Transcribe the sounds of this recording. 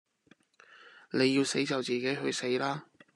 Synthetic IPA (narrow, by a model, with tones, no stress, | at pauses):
ne˨˧jːiː˧wse˨˥jt͡sɐ˨wt͡siː˨ke˨˥jɦɵ˧ɥse˨˥jlaː˥